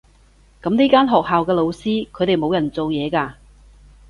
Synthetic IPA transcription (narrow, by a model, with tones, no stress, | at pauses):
kɐ˨˥mniː˥kaː˥nɦɔː˨k̚ɦaː˨wkɛː˧lo˨˧wsiː˥kʰɵ˨˧jt̪e˨jmo˨˧wjɐ˨˩nt͡so˨wjɛː˨˧kaː˧